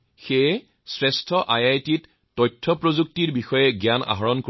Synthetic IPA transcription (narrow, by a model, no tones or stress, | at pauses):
xe | sɹɛstʰɔʔajajtitː | ɔjtʰːɔpɹozuk̚tiɹbixɔjɛɡjana̰ɦɔɹɔnk